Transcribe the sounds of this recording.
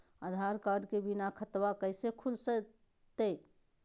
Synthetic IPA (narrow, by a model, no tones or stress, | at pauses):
əd̪ʱaɾkaɾɖkebinakʰət̪wakəɪsekʰulsə | t̪e